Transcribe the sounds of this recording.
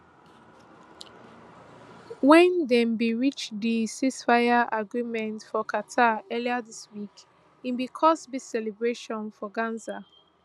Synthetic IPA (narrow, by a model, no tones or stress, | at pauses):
wɛ̃ndɛ̃mbiɹit͡ʃdisisfaɪaʔaɡɹimɛ̃ntfɔkʰatʰaɛliadiswik | ĩmbikʰɔsbisɛlɛbɹeʃɔ̃nfɔɡãnza